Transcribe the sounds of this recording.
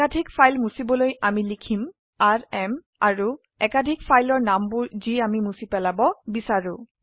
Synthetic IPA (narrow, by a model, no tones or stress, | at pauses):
adʱikfʰajlmusibɔlojamilikʰim | aɹɛm | a̰ɹu | ɛkadʱikpʰajlɔɹnambʊɹziamimusipɛlabɔbisaɹʊ